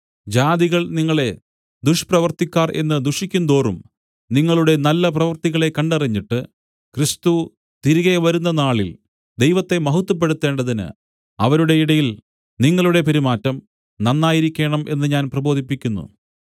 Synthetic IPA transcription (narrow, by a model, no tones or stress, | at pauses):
d͡ʑaːd̪iɣɐɭniŋːɐɭe̞ | d̪uʂprɐʋɐrt̪ikʲːaːrʔe̞̰nːɨd̪uʂikʲːund̪o̞ːrum | niŋːɐɭuɽe̞nɐlːɐp̬rɐʋɐrt̪iɣɐɭe̞kːɐɳɖɐriɲːiʈːɨ | krist̪u | t̪iɾiɣeʋɐɾunːɐnaːɭḭl | d̪e̞jʋɐt̪ːe̞mɐɦut̪ːup̬ːe̞ɽut̪ːe̞ːɳɖɐðinɨ̰ | ɐʋɐɾuɽe̞iɽɐjil | niŋːɐɭuɽe̞peɾimaːtːɐm | nɐnːaːjiɾikʲːe̞ːɳɐmʔe̞nːɨɲaːnprɐbo̞ːd̪ʱipːikʲːunːṵ